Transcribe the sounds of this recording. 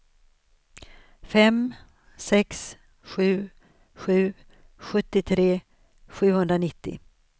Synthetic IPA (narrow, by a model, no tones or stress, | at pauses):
fɛm | sɛks | ɧʉ̟ː | ɧʉ̟ː | ɧɵt̪ːɪt̪ʰɾeː | ɧʉ̟ːhɵnd̪ɾanɪt̪ːɪ̰